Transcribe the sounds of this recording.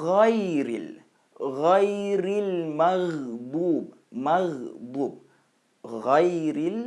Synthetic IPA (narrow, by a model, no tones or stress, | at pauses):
ɣajɾɪl | ɣajɾɪlmaɣbub | maɣbuːb̚ | ɣajɾɪl